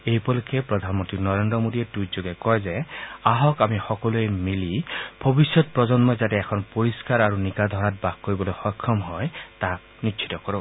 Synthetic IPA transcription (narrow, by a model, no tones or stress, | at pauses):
ejpɔlukʰepɹɔd̪ʱanmɔnt̪ɹinɔɹendɔmodietutd͡ʒoɡekɔjzeaɦɔkamixɔkɔluemilib̥ʱɔbisjɔt̪̚pɹɔd͡ʒɔnmɔzatɛːkʰɔnpoɹiskaɹaɹunikad̪ʱɔɹat̚bakkːoɹibɔlojxɔjkʰːɔmɦɔjtak | nitʃʰi̥tɔkɔɹo